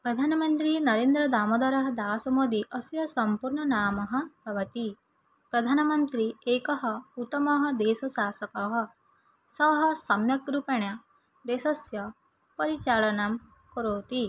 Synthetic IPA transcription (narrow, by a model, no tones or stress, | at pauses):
pɾɐd̪ʱaːnɐmɐnt̪ɾinɐɾeːnd̪ɾɐd̪aːmɐd̪ɐɾɐɦɐd̪aːsɐmoːd̪iʔɐsjɐsɐmpuɾɳɐnaːmɐɦɐb̥ʱɐʋɐt̪i | pɾɐd̪ʱaːnɐmɐnt̪ɾieːkɐɦɐut̪ːɐmɐɦɐd̪eːsɐʃaːsɐkɐɦɐ | sɐɦɐsɐmjɐkɾupɐɳjɐ | d̪eːsɐsjɐ | pɐɾit͡ʃaːɭɐnam | kɔɾoːt̪i